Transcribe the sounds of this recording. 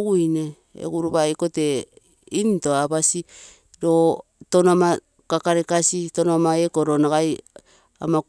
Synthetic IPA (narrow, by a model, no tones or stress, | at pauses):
uine | ḛɡuɾuβajkote̞ | intoaβasi | ɾo | tonama | kakaɾekasitonomaekoɾonaɡaj | a̰ma